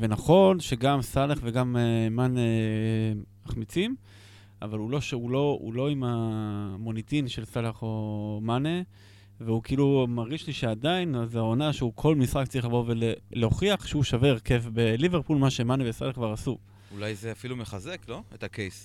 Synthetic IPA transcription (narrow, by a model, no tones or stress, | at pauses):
ve̞naχo̞nʃe̞ɡamsalaχveɡamemane | aχmit͡sim | a̰valulo̞ʃeulo̞ṵlo̞imamo̞nit̪inʃe̞lsalaχo̞mane | veukiilumaʁɡiʃliʃead̪ainazaonaʃeukʰo̞lmisʁak̚t͡saʁiχlavo̞veleleoχiaχʃeuʃave̞ʁke̞fbe̞liveʁpulmaʃe̞manevesa̰laχkvaʁasu | ulajzeafilumeχazekloetakejs